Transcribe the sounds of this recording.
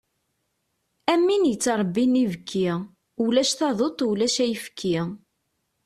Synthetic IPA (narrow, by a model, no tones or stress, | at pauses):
æmːinjət͡sːɾˤbːinivəkʰːi | ulæʃθɑðˤot̪ˤulæʃæjəfə̥kʰːi